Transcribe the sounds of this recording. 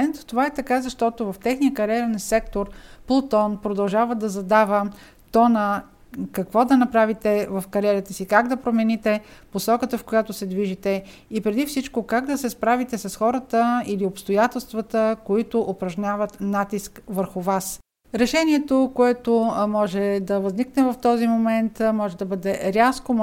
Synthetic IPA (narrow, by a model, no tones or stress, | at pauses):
nɛt̪t̪ovaɛt̪ɐkazɐʃt̪ɔt̪ovɐft̪ɛxnijəkɐɾʲɛɾnsɛk̚t̪oɾplˠot̪ɔnpɾod̪ɐlˠʒavəd̪ɐzɐd̪avə | t̪ɔnə | kɐkvɔd̪ɐnɐpɾavit̪ɛvəfkɐɾʲɛɾət̪əsikaɡd̪ɐpɾomɛnit̪ɛposɔkət̪əfkojat̪ʊsɛd̪viʒit̪ɛ | ipɾɛd̪ifsit͡ʃkokaɡd̪ɐsɛspɾavit̪ɛsɐsxɔɾət̪əiliopst̪ojat̪ɛlˠst̪vət̪əkoit̪ʊʔopɾɐʒnʲavət̪nat̪iskvəɾxʊvas | ɾɛʃɛniɛt̪okoɛt̪omɔʒɛd̪ɐvɐzniknɛvɐft̪ɔzimomɛnt̪mɔʒɛd̪ɐbɤd̪ɛɾʲasko